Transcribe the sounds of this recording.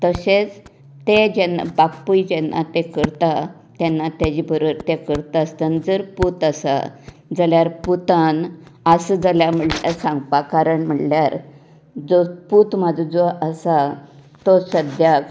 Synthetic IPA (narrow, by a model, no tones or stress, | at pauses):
t̪əset͡s | t̪ed͡ʑɛnːa̰bapːujd͡ʑɛnːa̰t̪ekəɾt̪a | t̪jɛnːat̪jad͡ʑibʱəɾəɾt̪ekəɾt̪ast̪ənd͡zəɾput̪əsa̰ | d͡zaljaɾput̪anəsəd͡zəljam̤əla̰sãŋɡpakaɾəɳm̤əɽljaɾ | d͡zoput̪mad͡zud͡zoəsa | t̪osəd̪jak